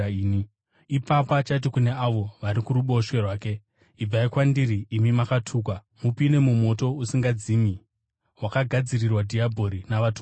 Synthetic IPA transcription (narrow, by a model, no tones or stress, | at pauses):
ni | ipapat͡ʃait̬ikune̞aʋo̞ʋaɾikuɾuɓo̞ʃwe̞rwaːke̞ | ib͡vaikwandiɾiːmimakatʰuːk̬wa | mupine̞mumo̞to̞usiŋɡad͡zimi | ɦwakaɡʱad͡zirirwadʱiabʱo̞ɾinaʋatu